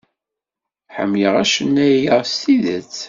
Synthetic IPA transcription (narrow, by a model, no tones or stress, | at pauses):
ħə̰mːjəʁæʃənːæjjəʁst̪iðæt͡s